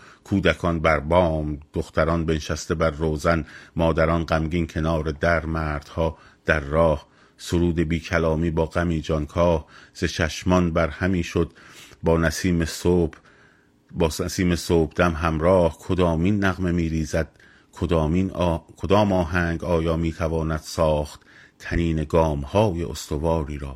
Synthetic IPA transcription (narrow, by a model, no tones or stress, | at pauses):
kʰuːd̪ækʰɒːnbæɾbɒːmd̪̥oxt̪æɾɒːnbeneʃæst̪e̞bæɾːoːzænmɒːd̪æɾɒːnɢæmɟiːnkʰe̞nɒːɾed̪æɾmæːɾd̪̥hɒː | d̪̥æɾːɒːh | soɾuːd̪ebiːkʰælɒːmiːbɒːɢæmiːd͡ʒɒnkʰɒːhz̥et͡ʃʰæʃmɒnbæɾhæmiːʃod̪bɒːnæsiːmeso | bːæsiːme̞soːbd̪̥æmɦæmɾɒːhkʰod̪ɒːmiːnːæɣme̞miːɾiːzæd̪̥̚ | kʰod̪ɒːmiːnkʰod̪ɒːmɒːɦæŋɡɒːjɒːmiːt̪ʰævɒːnæd̪̥sɒːχt̪t̪ʰæniːne̞ɡɒːmhɒːjḛʔost̪o̞vɒːɾiːɾɒː